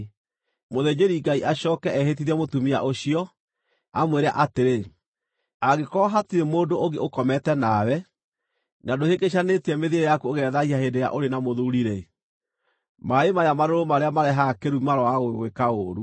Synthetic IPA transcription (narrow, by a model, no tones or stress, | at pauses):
moðed͡ʑeɾiɡaiʔaɕɔːkɛʔɛhetiðɛmotumia̰ʔoɕiɔ | amweɾea̰ʔateɾe | aɣekɔɦatiɾemoːdooɡeokɔmɛtɛnawɛ | nadohekeɕ̬aneteɛmeðeɾejakuoɣɛðaiahendeja̰ʔoɾenamoðouɾiɾe | maemajamaɾoɾomaɾeamaɾɛɦakeɾumaɾɔaɣoɣwekaoːɾu